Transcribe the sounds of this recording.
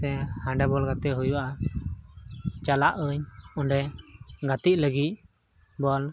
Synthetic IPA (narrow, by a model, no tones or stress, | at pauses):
ɛhãɳɖɛbɔlɡat̪ɛɦujwaʔa | t͡ʃalaʔəɲɔɳɖɛɡat̪ic̚ləɡit̪̚ | bɔl